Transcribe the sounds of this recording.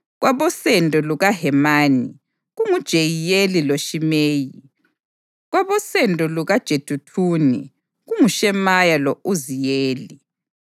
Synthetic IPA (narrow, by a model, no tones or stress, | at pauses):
ɣwʔaβɔsɛndʱʼɔluɣaɦɛmaːni | ɣuŋud̥ʒ̥ʱejijeliloʃimeːji | ɣwaβɔsɛndʱʼɔluɣad̥ʒ̥ʱed̥ʱutʰuːnḭ | ɣuŋuʃɛmajalɔuzijeːli